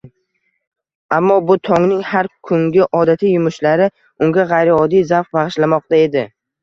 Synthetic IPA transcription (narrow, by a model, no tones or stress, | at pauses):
amːɒbʊt̪ʰɒŋnɪŋhaɾkʰʊŋɡʲɪʔɒd̪at̪ʰijʊmʊʃlaɾɪ | ʊŋɡʲaʁajɾiɒd̪ijzafbaʁɨʃlamɒq̚t̪ae̞d̪ɪ